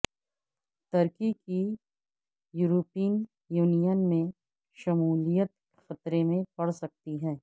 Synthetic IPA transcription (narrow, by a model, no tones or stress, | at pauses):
t̪ɐɾkiki | juːɾoːpiːən | juːnijənmẽ | ʃɐmuːlijət̪̚ | xɐt̪ɾemẽpɐɽsɐk̚t̪iɦɛ̃ː